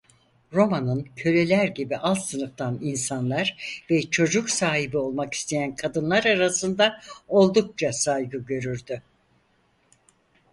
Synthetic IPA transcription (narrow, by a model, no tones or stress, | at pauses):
ɾo̞manɯncʰø̞lʲe̞lʲæɾɟibiʔalˠt̪sɯnɯft̪ʰaninsanlˠaɾvɛt͡ʃʰo̞d͡ʒuksaːɦibio̞lˠmaki̥st̪ʰe̞jænkʰad̪ɯnlˠaɾaɾasɯnd̪ao̞lˠd̪uk̚t͡ʃʰasajɡɯɟø̞ɾyɾd̪y